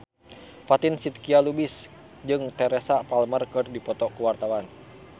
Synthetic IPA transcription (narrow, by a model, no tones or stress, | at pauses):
fat̪insit̪̚kialubɪs | d͡ʒɨŋt̪ɛɾɛsapalmərkɨrdipɔt̪ɔkuwart̪awan